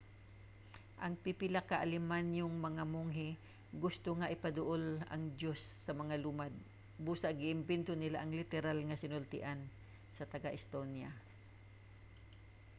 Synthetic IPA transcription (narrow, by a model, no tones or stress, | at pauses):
ʔɐŋpipɪlakaʔalɪmanjʊŋmɐŋamʊŋɦɪ | ɡʊst̪oŋaʔɪpad̪ʊʔolɐ̰ŋd̪josːɐmɐŋalumad̪̚ | buːsaʔɡɪʔɪmbɪnt̪onɪlaʔɐŋlɪt̪ɛɾalŋasɪnʊlt̪ɪ̰ʔan | sɐt̪ɐɡaʔɪst̪onja